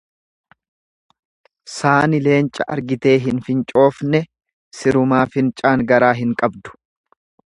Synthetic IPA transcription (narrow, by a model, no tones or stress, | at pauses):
saːnɪle̞ːnt͡ʃʼɐʔɐ̰ɾɡɪt̪e̞ːɦɪnfɪnt͡ʃʼo̞ːfnɛ | sɪɾʊmaːfɪnt͡ʃʼaːŋɡɐɾaːɦɪŋkʼɐbd̪ʊ̥